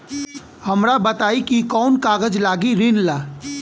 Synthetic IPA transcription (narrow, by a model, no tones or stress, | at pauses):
hɐmɾabət̪aːikikɔːnkaːɡəd͡ʒlaːɡiɾɪnlaː